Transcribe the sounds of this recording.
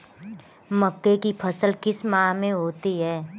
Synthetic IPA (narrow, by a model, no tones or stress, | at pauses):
mɐkːekipʰɐsəlkɪsmãːmẽɦoːt̪iɦɛː